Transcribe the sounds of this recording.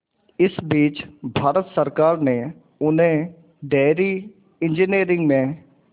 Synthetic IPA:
ɪsbiːt͡ʃbʱaːɾət̪səɾkaːɾneː | ʊnẽː | ɖɛːɾiː | ɪ̃nd͡ʒiniːɾɪ̃ŋɡmẽː

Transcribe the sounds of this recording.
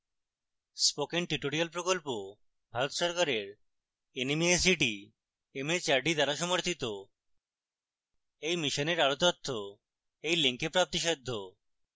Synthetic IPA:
spokenʈiʈoɾialpɾokolpo | bʱaɾot̪ʃɔɾkaɾeɾ | enimies̬iʈi | emet͡ɕaɾɖid̪aɾaʃɔmoɾt̪ʰit̪o | ejmiʃoneɾaɾot̪ɔt̪ʰːo | ejleŋkepɾap̚t̪iʃed̪ʱːo

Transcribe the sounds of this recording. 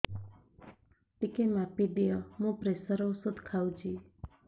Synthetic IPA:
t̪ikemapid̪ijəmũpɾesəɾowsud̪ʱkʰawd͡ʒi

